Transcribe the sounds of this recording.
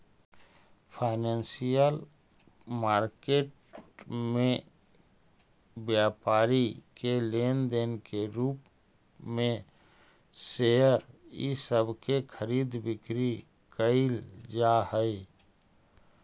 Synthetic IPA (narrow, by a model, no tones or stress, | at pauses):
pʰaɪnənsijəl | maːɾkeːʈ̚ | mẽ | bjaːpaːɾikelend̪enkeɾuːp | mẽ | seəɾḭsəbʱkekʰəɾiːd̪bɪkɾi | kəɪld͡ʒahəj